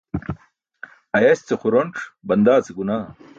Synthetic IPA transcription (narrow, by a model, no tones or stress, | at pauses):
ɐjɐst͡sexuɾoɳʈ͡ʂbɐnd̪aːt͡seɡunaː